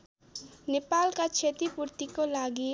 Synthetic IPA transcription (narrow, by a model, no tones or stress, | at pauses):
nepalkat͡ʃʰet̪ipuɾt̪ikolaɡi